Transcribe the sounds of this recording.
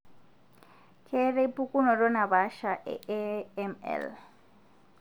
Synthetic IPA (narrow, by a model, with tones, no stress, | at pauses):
kʰɛ˦ɾe˦pʼu˦kʼu˦nɔ˨ɾɔ˦na˨βa˨˦ʃa˨ʔɛ̰˦ɛmɛ̰˨l